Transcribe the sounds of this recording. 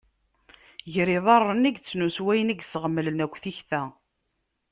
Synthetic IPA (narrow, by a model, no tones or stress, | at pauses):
ʝɾiðˤɑrˤːəniɡt͡sːnuswæjəniɡsəʁmːələnækʷːθiçθæ